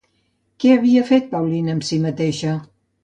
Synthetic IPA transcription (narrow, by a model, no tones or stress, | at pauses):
kɛəβiəfet̪̚pawlinəmsimət̪eʃə